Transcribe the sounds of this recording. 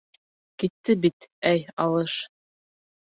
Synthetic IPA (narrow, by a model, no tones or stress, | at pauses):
kit̪ʰːɘbit̪æjɑlˠɤʃ